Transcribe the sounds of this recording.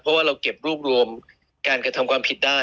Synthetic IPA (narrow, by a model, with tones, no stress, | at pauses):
pʰɔ˦˥waː˥˩ɾa˧wke˨˩p̚ɾuː˥˩p̚ɾu˧əm | kaː˧nkɾa˧t̪ʰa˧mkʰwaː˧mpʰi˨˩t̪̚daː˥˩